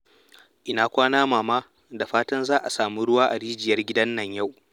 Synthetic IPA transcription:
ʔɪ˦na˨kʷaː˦naː˦maː˨maː˦ | da˨ɸaː˦tɐ˦nzaː˦ʔa˨saː˨mu˦ɽʊ˦waː˦ʔa˨ɽiː˦d͡ʒɪ˨jɐ˦rɡʲɪ˦dɐ˦nːɐ˨ɲja˦˨w

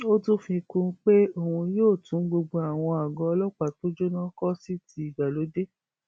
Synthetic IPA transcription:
o˦tũ˦fĩ˧kũ˧˦k͡pe˦o˦˨hũ˧joː˦˨tũ˨˦ɡ͡bo˧ɡ͡bo˧a˨w̃ɔ̃˧a˨ɡɔ̃˧ɔ˧lɔ˦k͡pa˨to˦d͡ʒo˦nã˦kɔ˦si˦tʰi˦i˨ɡa˨lo˨˦de˦

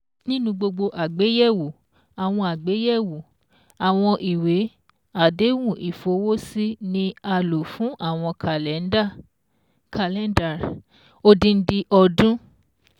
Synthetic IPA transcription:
nĩ˦nũ˧ɡ͡bo˧ɡ͡bo˧ʔa˨ɡ͡be˨˦jɛ˦˨wo˨ | a˨w̃ɔ̃˧a˨ɡ͡be˨˦jɛ˦˨wo˨ | a˨w̃ɔ̃˧ʔi˨we˨˦ | a˨de˨˦wũ˦˨ʔi˨fo˨˦wo˦si˦nĩ˧˦a˧lo˨fũ˨˦ʔa˦˨w̃ɔ̃˧ka˨lɛ˨˦n̩˦da˦˨ | kʰa˧lɛ˦n˦da˨ɾ | o˧dĩ˧n̩˦di˧ʔɔ˧dũ˦

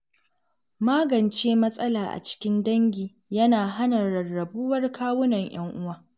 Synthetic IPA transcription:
maː˦ɡɐ˨nt͡ʃeː˦mɐ˦sʼɐ˦laː˨ʔa̰˨t͡ʃɪ̥˦kʲɪ˦ndɐ˦ŋɡʲiː˨ | jɐ˦naː˨ɦa˦nɐ˨ɽɐ˨rːɐ˨buː˦wɐ˦rkʰaː˦wʊ˦nɐ˨ɲj̰ɐ˦ŋʔʊ˦waː˦

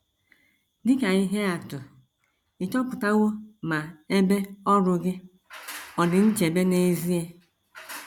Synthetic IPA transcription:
dɪ˦ka˨i˦ɦe˦a˨tʊ˨ | ɪ˨t͡ʃɔ˦pʊ˨ta˦ɣʊ˦ma˨e˦be˦ɔ˦ɾʊ˨ɡɪ˦ | ɔ˨dɪ˨n̩˦t͡ʃe˨be˦ne˦˨zi˦e˦

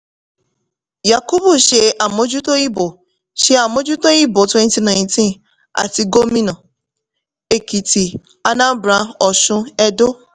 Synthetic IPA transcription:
ja˨ko˦bo˦˨ʃe˧ʔa˨mo˨˦d͡ʒu˦to˦i˦bo˨ | ʃe˦a˨mõ˦d͡ʒu˦to˦i˦bo˨˦twɛ̃˦nti˦nã˨j̃ntĩ˦n | a̰˨ti˧˦ɡo˦mĩ˦nɔ̃˨ | e˨ki˨ti˨ | a˦nã˦bɾã˧˦ɔ˨ʃʊ̃˦ɛ˦do˦

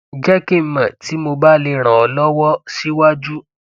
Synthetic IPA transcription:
d͡ʒɛ˦ki˦˨m̩˨mã˨ti˨˦mo˧ba˦le˧ɾ̃ã˨ɔ˨lɔ˦wɔ˦si˦wa˦d͡ʒu˦

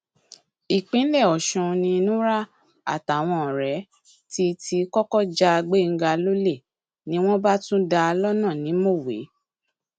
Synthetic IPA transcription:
i˨k͡pĩ˨˦lɛ˦˨ɔ˨ʃũ˧nĩ˧nũ˦ɾa˦ | a̰˦˨ta˨w̃ɔ̃˧˨ɾɛ˨˦ | ti˦ti˧kɔ˦kɔ˦d͡ʒa˦a˧ɡ͡be˦˨ŋ̩˦ɡa˧lo˦le˦˨ | nĩ˦w̃ɔ̃˦ba˦tũ˦da˧lɔ˦nã˦˨nĩ˨˦mo˦˨wḛ˨˦

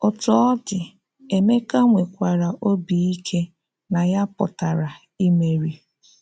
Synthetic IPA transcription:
ʊ˨tɔ˦ɔ˦dɪ˨ | e˨me˦ka˦ŋʷe˨kʷa˨ɾa˨ʔo˦bi˨i˦kʰe˦ | na˨ja˦pʊ̰˨ta˨ɾa˨ | i˦me˨ɾi˨

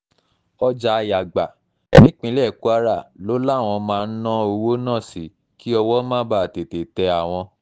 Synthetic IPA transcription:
ɔ˧d͡ʒa˧ja˨ɡ͡ba˨ | nĩ˦k͡pĩ˧˦lɛ˦˨ku˦a˦ɾa˦˨lo˦la˦˨w̃ɔ̃˧mãː˦˧n̩˦nã˦o˧wo˦nã˦˨si˨˦ | ki˦ɔ˧wɔ˦mã˦ba˦˨a˨te˨te˨tɛ˧a˨w̃ɔ̃˧

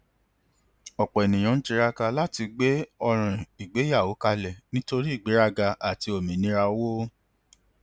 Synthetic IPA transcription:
ɔ˨k͡pɔ˨ɛ˨nĩ˨j̃ã˨˦n̩˦t͡ʃi˧ɾa˧ka˧la˦ti˧ɡ͡be˦ɔ˧ɾ̃ã˨i˨ɡ͡be˨˦ja˦˨o˨˦ka˧lɛ˨nĩ˦to˧ɾi˦i˦˨ɡ͡be˨˦ɾa˧ɡa˧ʔa˨ti˧o˨mĩ˨nĩ˦ɾa˧˦wo˦

